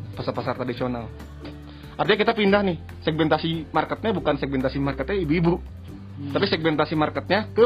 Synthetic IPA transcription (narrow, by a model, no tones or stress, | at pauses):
pasapasart̪ɾadisional | ʔart̪iɲakit̪apindahnɪh | sɛɡ̚mɛnt̪asimarkət̪̚ɲabukansɛɡ̚mɛnt̪asimarkət̪̚ɲaibuibu | t̪apisɛɡ̚mɛnt̪asimarkət̪̚ɲakə